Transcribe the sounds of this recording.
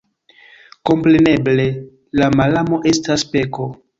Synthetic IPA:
ko̞mpɾe̞ne̞ble̞ | lamalamo̞ʔe̞staspe̞ko̞

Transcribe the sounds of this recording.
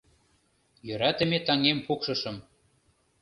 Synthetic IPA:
jøɾɑt̪ə̆met̪ɑŋempukʃɤ̆ʃɤ̆m

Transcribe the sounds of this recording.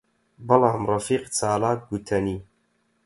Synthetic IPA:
bɐlɑːmrˤɑfiːqt͡sʰaːlaːt̪̚ɡut̪ʰɐniː

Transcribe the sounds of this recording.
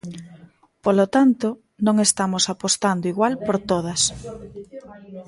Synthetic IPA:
polot̪ant̪o | nõŋest̪amosapost̪and̪oiɣwalpoɾt̪oð̞ɐs

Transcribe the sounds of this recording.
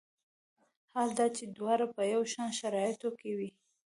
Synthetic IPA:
hald̪ɑt͡ʃed̪wɑɾapəjawʃɑnʃaɾɑjɪt̪okewi

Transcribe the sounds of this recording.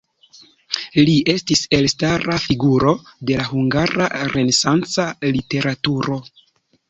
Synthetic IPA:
lie̞stise̞lstaɾafiɡuɾo̞de̞laɦuŋɡaɾaɾe̞ne̞sant͡salite̞ɾatuɾo̞

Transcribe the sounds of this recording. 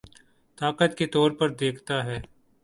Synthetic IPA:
t̪aːkət̪ket̪ɔːɾpəɾd̪eːkʰt̪aɦɛː

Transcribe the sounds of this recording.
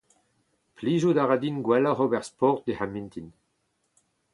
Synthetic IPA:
plizod̪aʁad̪inɡwɛlaʁobɛʁspɔʁt̪̚d̪ehamĩnt̪in

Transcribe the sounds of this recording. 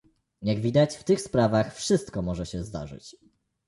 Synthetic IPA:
jaɡvʲid̪at͡ɕft̪ɘxspɾavaxfʂɘst̪̚kɔmɔʐɛɕɛzd̪a̰ʐɘ̰t͡ɕ

